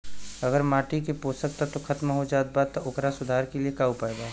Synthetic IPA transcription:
ɐɡəɾmaːʈikepoːsək̚t̪at̪oxʰɐt̪maɦod͡ʒaːt̪̚baːd̪t̪ːoʔʊkɾasʊd̪ʱaːɾkeliekaːupaeɡaː

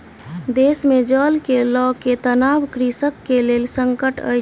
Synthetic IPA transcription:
d̪esmed͡ʒəlkelɔket̪ənabkɾisəkːelelsəŋkəʈə̰

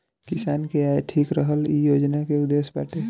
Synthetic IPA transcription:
kɪsaːnkeaːeʈʰiːkɾəɦəlijoːd͡ʒnakeʊd̪eːsba̰ʈe

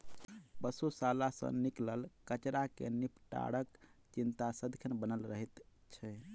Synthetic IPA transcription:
bəsusalasə̰̃nikləlkət͡ʃɾakḛnipʈa̰ɽəkt͡ʃint̪asəd̪kʰənbənəlɾəɦit̪ | t͡ʃʰɛ

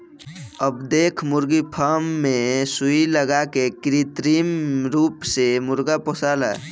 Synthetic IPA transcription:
əbd̪eːkʰmʊɾɡipʰaːmːẽsʊiləɡakekɾit̪ɾiːmɾuːpsemʊɾɡapɔsaːla̰ː

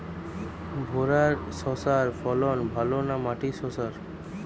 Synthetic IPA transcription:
bʱoɾaɾsɔsaɾfɔlɔnbʱalonamaʈisɔsaɾ

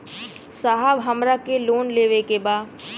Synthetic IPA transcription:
saɦəbɦɐmɾakeloːnleːʋekebaː

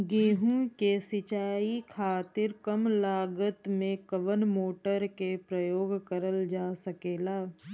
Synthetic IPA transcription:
ɡeːɦũkesɪt͡ʃaːikʰaːt̪ɪɾkɐmlaːɡət̪mẽkəʋənmoːʈəɾkepɾɐjoːɡkəɾəld͡ʒaːsɐkeːlaː

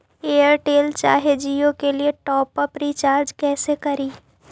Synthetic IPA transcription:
eːəɾʈeːlt͡ʃa̰ːɦed͡ʒiːokelieʈɔːpəpɾiːt͡ʃaːɾd͡ʒkɛːsekɐɾiː

